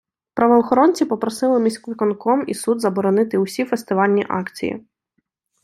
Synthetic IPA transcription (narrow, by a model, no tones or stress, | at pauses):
pɾɐʋɔɔːxɔɾɔnʲt͡sʲipɔpɾɔsɪlˠɪmʲisʲkɪkɔnkɔmḭsud̪zɐbɔɾɔnɪt̪ɪwsʲifest̪ɪʋɑlʲnʲiʔɑkt͡sʲḭjḭ